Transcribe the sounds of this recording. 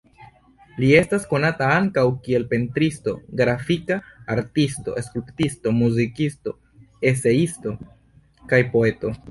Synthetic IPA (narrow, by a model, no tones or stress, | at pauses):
lie̞stasko̞nataaŋkawkie̞lpe̞ntɾisto̞̰ɡɾafikaːɾtisto̞̰e̞skɾiptisto̞muzikisto̞ | e̞se̞isto̞ | kajpo̞e̞to̞